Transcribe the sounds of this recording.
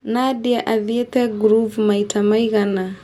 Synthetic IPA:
nadiaʔaðiet̪aɡɾuvmaitamajɣana

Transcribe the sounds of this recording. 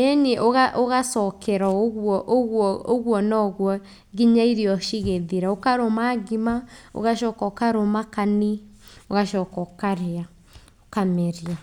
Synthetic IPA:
eniʔoɣaʔoɣasɔkʰɛɾaoɣwɔʔɣwɔoɣwɔnɔɣwɔ | ɡiɲaiɾiɔʃiɣeðiɾaokaɾomaɡimao̰ɣaʃɔːkɔkaɾomakanioɣaʃɔkɔkaɾea | okamɛɾia

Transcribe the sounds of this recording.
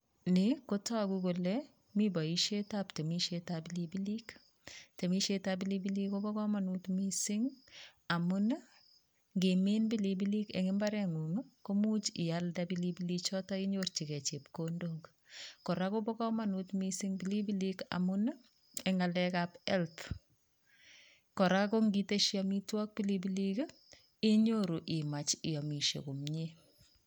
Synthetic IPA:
nɪkotɔkukolɛ | mibaiʃetaptemiʃetabilibilik | temiʃetabilibilikobɔkɔmanutmisɪŋamʊn | ŋɡemenbilibilikɛ̰ŋɪmbaɾɛŋuŋkomut͡ʃɪjaldabilibilit͡ʃɔtaiɲort͡ʃikɛt͡ʃepkondok | kɔɾakobɔkɔmanutmisiŋbilibilika̰muna | ɛŋalɛkapɛlt | kɔɾakoŋɡiteʃjɔmitwɔk̚pilibilik | iɲoɾuʔɪmat͡ʃɪjɔmiʃḛkumɲe

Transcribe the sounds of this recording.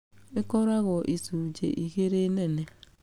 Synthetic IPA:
ɪkɔɾaɣɔʔisud͡ʒḛʔiɣeɾenene

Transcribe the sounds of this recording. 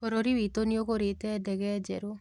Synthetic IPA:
kɔɾoɾiwitonioɣoɾetɛdɛɣɛd͡ʒɛɾo

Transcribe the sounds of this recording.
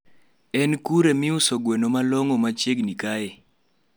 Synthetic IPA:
ɛnkuɾemɪʊsoɡwenomalɔŋɔmat͡ʃeɡnikae

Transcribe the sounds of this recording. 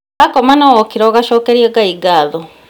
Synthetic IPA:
akomanawokiɾoɣaʃoːkeɾjeɡaiɡaðo

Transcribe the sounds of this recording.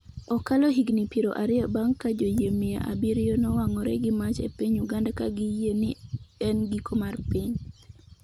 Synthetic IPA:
ɔkalɔɦiɡnipiɾo̰ʔaɾɪabaŋkad͡ʒojemia̰ʔa̰biɾjonɔwaŋɔɾɛ̰ɡɪmat͡ʃḛpiɲuɡandakaɡɪjenɪɛnɡikʰomarpiɲ

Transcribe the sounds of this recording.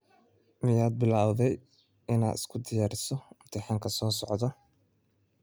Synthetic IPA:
mɪjaːd̪̚bɪlaːwðɛj | ɪna̰ːd̪ɪ̥skʰʊd̪ɪjaːɾɪsɔʊmt̪ʰɪħaːŋkʰɐsɔːsɔʕd̪ɔ

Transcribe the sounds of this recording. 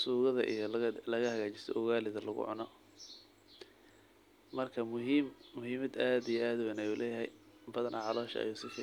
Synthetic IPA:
suːɣɐðɐʔḭjɔlɐɣɐhɐɣaːt͡ʃɪsʰɔ̰ʔʊɣaːlɪðɐlɐ̰ɣʊ̰ʕʊ̰nɔ | mɐrkʰɐmʊɦimmʊɦiːmɐd̪aːd̪ijɔaːd̪ʊwɛnɐjuːlʔɛːjɐɦɛjbɐðɐnʔɐ̰ʕɑlɔːʃɐ̰ɐ̰juːsɪkʰɐ

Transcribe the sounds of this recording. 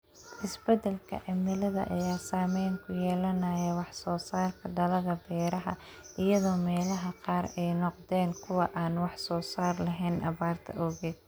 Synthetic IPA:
ʔɪsbɛd̪ɛlkʰɐ̰ʕɪmɪlɐðɐ̰ʔɐ̰jaːsaːmɛjŋkʰʊjɛːlɐnɐjɐwɑħsɔːsaːrkʰɐd̪ɐlɐðɐbɛːɾɐɦɐ | ʔɪjɐðɔːmɛːlɐɦɐqɑːrɛjnɔqd̪ɛːŋkʰʊwɑʔaːnwɑħsɔːsaːrlɐɦɛnʔɐ̰βaːrt̪ʰɐ̰ʔɔɣɛ

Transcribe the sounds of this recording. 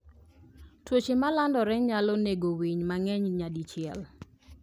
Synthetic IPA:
twot͡ʃemalandɔɾɛɲalɔneɡowiɲmaŋɛɲɲadit͡ʃɪɛl

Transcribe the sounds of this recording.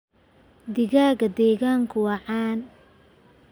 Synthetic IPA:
d̪ɪɣaːɣɐd̪ɛːɣaːŋkʰʊwɑʕaːn

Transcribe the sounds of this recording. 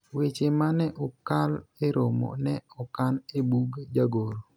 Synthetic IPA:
wet͡ʃemanɛʔɔkaleɾomɔ̰nɛɔkanebuɡd͡ʒaɡoɾo

